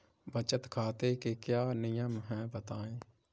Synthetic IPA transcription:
bət͡ʃət̪kʰaːt̪ekekjaːnɪjãmɦɛ̃ːbət̪aːẽː

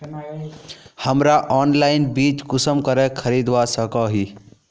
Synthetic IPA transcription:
həmɾaʔɔːnlaɪnbiːt͡ʃkʊsəmkəɾekʰəɾid̪wasəkɔɦi

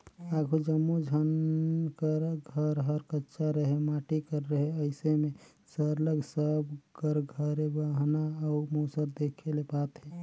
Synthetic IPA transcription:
aɡʰʱud͡ʒəmːod͡ʒʱənkəɾɡʱəɾɦəɾkətːʃaɾəɦemaʈikəɾːəɦeəɪseme | səɾləɡsəbkəɾɡʱəɾebaɦnaəumosəɾd̪ekʰelepat̪ɦɛ

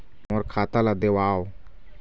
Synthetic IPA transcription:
moːɾkʰaːt̪alad̪ewaːo

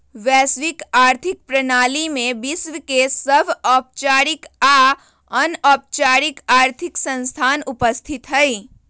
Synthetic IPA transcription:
ʋɛːsʋɪkaːɾt̪ʰɪk̚pɾənaːlimẽbɪsʋkesəbʱɔːp̚t͡ʃaːɾika | ənɔːp̚t͡ʃaːɾikaːɾt̪ʰɪksə̃nst̪ʰaːnʊpəst̪ʰɪt̪ɦəi

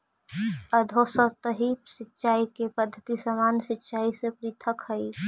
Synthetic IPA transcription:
əd̪ʱoːsət̪əɦipsɪtːʃaːikepəd̪ʱːət̪isəmaːnsɪtːʃaːisepɾiːt̪ʰəkhəi

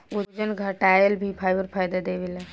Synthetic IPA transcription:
uɾd͡ʒənɡʱəʈajəlbʱipʰajbəɾpʰaːjd̪ad̪eʋela

